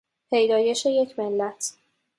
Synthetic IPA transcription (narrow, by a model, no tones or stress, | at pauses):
pʰe̞jd̪ɒːje̞ʃe̞je̞cʰmelːæt̪ʰ